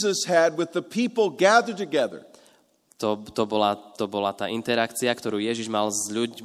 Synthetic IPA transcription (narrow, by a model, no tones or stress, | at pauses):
zəshɨd̚wɨðəpʰipl̩ˠɡæðə˞d̚tɨɡɛðə̰˞ | t̪ɔt̪ɔbɔlat̪ɔbɔlat̪aːʔint̪ɛɾakt͡siakt̪ɔɾuːjɛʒiʒmalzʎu